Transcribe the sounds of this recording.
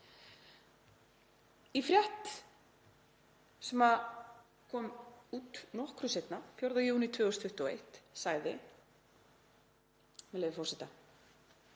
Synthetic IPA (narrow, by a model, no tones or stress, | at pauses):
ifɾjɛht̪ | sɛma | kʰɔːmuːt̪nɔhkɾʏsejt̪nafjowɾðajuːnɪt̪ʰvɛːɣɔst̪ʰʏht̪ɔḛjht̪saɣðɪ | mɛleːjvɪfɔrsɛt̪a